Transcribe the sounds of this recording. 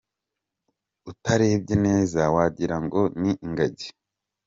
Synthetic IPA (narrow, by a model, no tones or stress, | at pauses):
utaɾeb̚ɟene̞ːzawaɟiɾaŋɡo̞niʔiŋɡaɟe̥